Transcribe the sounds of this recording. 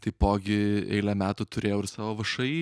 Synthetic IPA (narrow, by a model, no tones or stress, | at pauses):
t̪ɐɪpoːɡʲɪɛ̰ɪlʲɛmʲæːt̪ʊːt̪ʊɾʲeːjɛʊɪɾsɑːʋoːʋɐʃɐɪ